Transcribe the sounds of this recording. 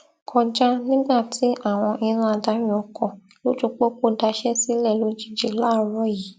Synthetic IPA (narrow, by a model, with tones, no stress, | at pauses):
kʰɔ˧d͡ʒa˦nĩ˦ɡ͡ba˦˨tʰi˨˦ʔa˦˨w̃ɔ̃˧ʔi˧ɾ̃ã˦a˧da˨˦j̃ũ˨ɔ˨˧kɔ̃˨ | lo˦d͡ʒu˦˧k͡po˦k͡po˦da˧ʃɛ˦si˦lɛ˦˨lo˨˦d͡ʒi˦˨d͡ʒe˨la˨˦˨ɾɔ˦ji˨˦